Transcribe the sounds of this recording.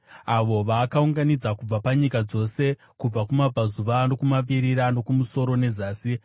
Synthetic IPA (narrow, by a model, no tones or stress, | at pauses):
aʋo̞ʋaːkauŋɡanid͡zakub͡vapaɲikad͡zo̞se̞ | kub͡vakumab͡vazuʋano̞kumaʋiɾiɾano̞kumuso̞ɾone̞zaːsi